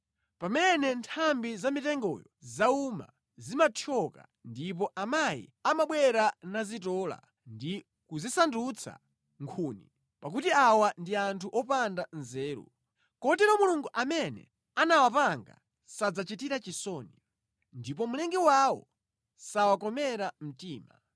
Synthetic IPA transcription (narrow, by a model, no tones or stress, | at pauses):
pamɛnɛntʰambizamitɛŋɡɔ̰jɔzauma̰ | zimatʰɔka̰ | ndip̬ɔʔamajḭamaɓwɛɾanazitɔːla̰ | ndi | kuzisandut͡sʰa̰ | ŋkʰuːnḭ | pak̬utiawandiantʰuʔɔpandanzɛːɾṵ | kɔtɛɾɔmuluŋɡuʔamɛnɛ̰ | anawapaŋɡa̰ | sad͡zat͡ʃitiɾat͡ʃisɔːni | ndip̬ɔmulɛŋɡɛwawɔ | sawakɔmɛɾam̩tiːma̰